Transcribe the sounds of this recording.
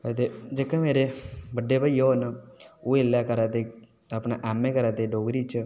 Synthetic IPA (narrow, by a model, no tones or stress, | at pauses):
ət̪ed͡ʒeːkẽmeːɾebəɖːeːbəjoːnoːelaːkəɾaːt̪e | apnaːʔɛːmẽːkəɾaːt̪eɖoːɡɾiːt͡ʃ